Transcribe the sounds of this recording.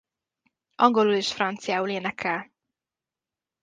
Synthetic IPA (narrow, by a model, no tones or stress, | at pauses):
ʔɒŋɡo̞luleːʃfrɒnt̪sijaːuleːnɛkʰːɛl